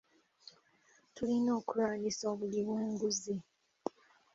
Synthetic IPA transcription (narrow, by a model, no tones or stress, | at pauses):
tulino̞ːkuɾaːlisoːβuliβweːŋɡuzi